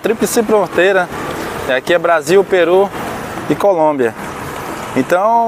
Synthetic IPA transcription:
t̪ɾiplɪsipɾoot̪ejɾɐɛakiɛbɾaziwpeɾu | ikolõbiɐ | ẽt̪ɐ̃w̃

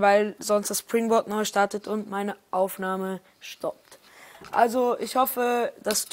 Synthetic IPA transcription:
vaɪlzɔnstd̥aspʁ̥ɪŋbɔɐtnɔʏʃtaɐtətʰʊntmaɪnəʔaʊfnaːmə | ʃtʰɔp̚t | ʔa̰lzoʔɪçhɔfəd̥astʰ

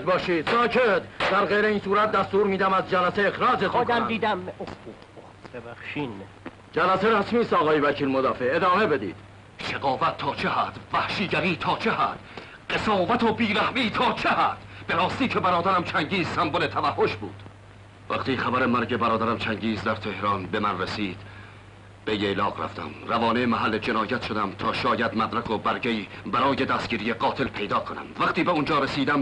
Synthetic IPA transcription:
t̪̚bɒːʃiːd̪̥sɒːcʰet̪d̪æɾɣejɾeiːnsuːɾæt̪̚d̪æst̪uːɾmiːd̪æmæzd͡ʒælæseexɾɒːd͡ʒet̪ʰɒkmd̪iːd̪æ | bæʃin | d͡ʒælæseɾæsmiːst̪ɒːɣɒːjevæcʰiːlmod̪ɒːfeed̪ɒːme̞be̞d̪ḭːd̪̥ | ʃeɡɒːvæt̪ʰːɒːt͡ʃʰehæd̪væhʃiːɟæɾiːt̪ʰɒːt͡ʃʰehæd̪̥ | ɢesɒːvæt̪ʰobiːɾæhmiːt̪ʰɒːt͡ʃʰehæd̪̥b̥eɾɒːst̪iːcʰe̞bæɾɒːd̪æɾæmt͡ʃʰæŋɟiːzsæmbone̞t̪ʰævæhːoʃbṵːd̪̥ | væ̰qt̪iːχævæɾemæɾɟe̞bæɾɒːd̪æɾæmt͡ʃʰæŋɟiːzd̪æɾt̪ʰe̞hɾɒːnbe̞mænresiːd̪̥ | b̥ejelɒːqɾæ̰ft̪æ̰mrævɒːnemæɦælːed͡ʒe̞nɒːjæt̪ʃo̞d̪æmt̪ʰɒːʃɒːjæd̪mæd̪ɾækobæɾɡeiːbæɾɒːje̞d̪æst̪̚ɟiːɾije̞ɢɒːt̪ʰe̞lpʰe̞jd̪ɒːkʰonæ̰mvæqt̪iːbeund͡ʒɒːɾesiːd̪æm

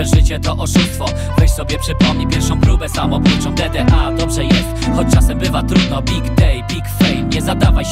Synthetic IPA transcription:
ɛʐɘt͡ɕɛt̪ɔʔɔʂust̪fɔ | vɛɕsɔbʲjɛpʂɘpɔmɲipʲjɛɾfʂɔ̃w̃kɾubɛsamɔput͡ʂɔ̃w̃d̪ɛd̪ɛʔad̪ɔbʐɛjɛst̪xɔt͡ɕt͡ʂasɛmbɘvat̪ɾud̪nɔbʲiɡd̪ɛjpʲikfɛjmɲɛzad̪avaj

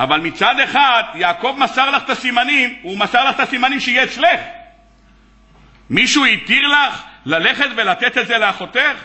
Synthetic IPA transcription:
avalmit͡sad̪e̞χad̪jaːko̞vmasaʁlaχt̪asimanimumasaʁlaχt̪asimanimʃeijeːt͡sle̞χ | miʃuit̪iʁlaχlale̞χe̞t̪ve̞lat̪e̞t̪ezeleaχo̞t̪e̞χ

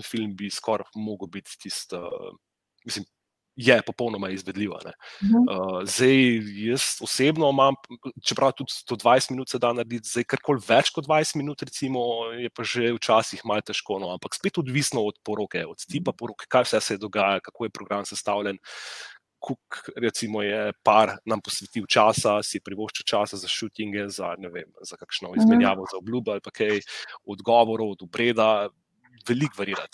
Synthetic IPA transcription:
nfilmbiskɔɾmoɡəwbit̪ːist̪ə | mislim | jɛpɔpɔwnɔmaizʋɛd̪liwa̰nɛ̰əzd̪ɛjjəst̪ɔsebnɔmamt͡ʃɛpɾʔawt̪ut̪d̪̥od̪ʋajst̪minut̪sɛd̪anɐɾed̪it̪zd̪ajkaɾkolʋɛt͡ʃkɔd̪ʋajst̪minuːt̪ɾɛt̪simɔjɛpaʒewt͡ʃaːsixmalt̪ɛʃkoːnoampakspet̪ɔd̪ʋisnɔɔt̪̚pɔɾokɛɔt̪st̪ipapɔɾoːkɛ̥kajwsɛsɛɛd̪ɔɡaːjalkakoːjɛpɾɔɡɾamsɛst̪awlɛn | kʰukɾɛt̪simɔjɛpaɾnampɔsʋɛt̪iwt͡ʃaːsasijɛpɾiʋoʃt͡ʃɛwt͡ʃasazaʃut̪iŋɡɛza̰nɛʋḛmzakakʃnɔizmɛnjaːʋɔzaɔblubɔalpakʰɛjɔd̪ɡɔʋɔɾɔwɔd̪ɔbɾeːd̪a | ʋɛlikʋɛɾiːɾa̰t̪

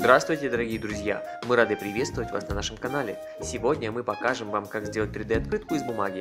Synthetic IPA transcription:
zd̪ɾast̪vʊjtʲɪd̪əɾɐɡʲijəd̪ɾʊzʲja̰ | mɨɾad̪ɨpɾʲɪvʲest̪vʊvətʲva̰snɐnaʂɨmkɐnalʲɪ | sʲɪvodʲnʲəmɨpɐkaʐɨmvamkakzʲdʲe̞lˠt̚ʲt̪ɾʲɪd̪ɛɐt̪kɾɨt̪kʊɪzbʊmaɡʲɪ

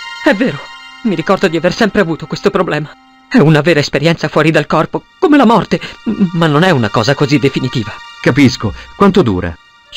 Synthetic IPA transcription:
ɛvːeːɾomiɾikɔrd̪od̪iaversɛmpɾeavuːt̪okwest̪opɾoblɛːma | ɛunaveːɾaespeɾjɛnt̪safwɔːɾid̪alkɔrpokomelamɔrt̪emanːonɛunakɔːzakozid̪ːefinit̪iːvakapiskokwant̪od̪uːɾa̰

